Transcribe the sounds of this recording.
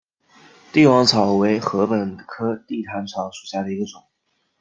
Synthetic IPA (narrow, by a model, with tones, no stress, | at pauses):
t̪i˥˩wɑ˧˥ŋt͡sʰɑ˨˩ʊwe˧˥ɪxɤ˧˥pə˨˩nkʰɤ˥t̪i˥˩t̪ʰa˧˥nt͡sʰɑ˧˩ʊʂu˨˩ɕja˥˩d̪ə˩i˧˥ɡə˧ʈ͡ʂʊ˨˩˦ŋ